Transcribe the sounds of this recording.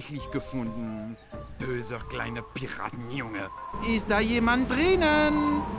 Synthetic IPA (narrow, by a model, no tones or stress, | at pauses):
çlɪçɡ̥əfʊndn̩ | b̥øːzəkl̥a̰ɪnəpʰiʁa̰ːtn̩jʊŋəɪstd̥aːjeːmant̚d̥ʁɪnən